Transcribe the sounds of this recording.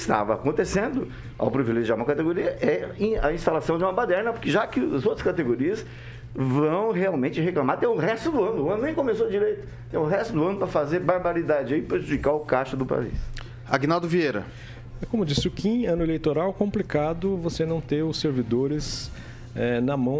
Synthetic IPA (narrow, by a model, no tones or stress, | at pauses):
ɪst̪a̰vɐa̰kõnt̪esẽnd̪ʊ | a̰wpɾivileʒiaɾũmɐkat̪eɡoɾiɐʔɛĩɐĩst̪alasɐ̃d͡ʒɪũmɐpad̪ɛɾnɐpoɾkɪʒakɪzowt̪ɾɐ̥skat̪eɡoɾiɐs | vɐ̃w̃heawmẽt͡ʃɪɦeklãmaɾt̪ẽj̃ʊɦɛst̪ʊd̪ʊɐ̃nʊʊɐ̃nʊnẽj̃kõmesod͡ʒiɾejt̪ʊ̥ | t̪ẽj̃ʊɦɛst̪ʊd̪ʊɐ̃nʊpɾɐfazeɾbaɾbaɾid̪ad͡ʒɪɐiɪpɾeʒud͡ʒikaɾʊkaʃʊd̪ʊpa̰ḭs | aɡinawd̪ʊvieɾɐ̰ | ɛkõmʊd͡ʒisɪʊkĩɐ̃nʊelejt̪oɾawkõmplikad̪ʊvosenɐ̃w̃t̪ẽjʊseɾvid̪oɾɪs | ɛnɐmɐ̃w̃